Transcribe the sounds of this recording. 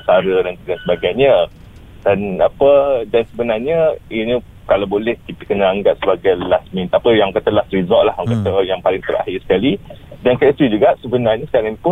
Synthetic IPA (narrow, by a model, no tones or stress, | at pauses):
saɾədantdansəbaɡajɲə̃ | danapədansəbənarɲəini | kalawbolɛhk̪it̪ikənaaŋɡap̚səbaɡajlasmĩt̪apəjaŋkat̪alasɾizɔʔlahakat̪əjaŋpalɪŋt̪əɾa̰hɪrsə̥kalidankaist̪ɾid͡ʒuɡaʔsəbənarɲasə̥kaɾaŋpʊ